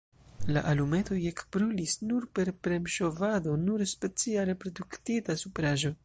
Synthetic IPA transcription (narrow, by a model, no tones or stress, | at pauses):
la̰ʔalume̞to̞je̞kbɾulisnuɾpe̞ɾpɾe̞mʃo̞vado̞nuɾspe̞t͡siaɾepɾo̞duktitasupɾaʒo̞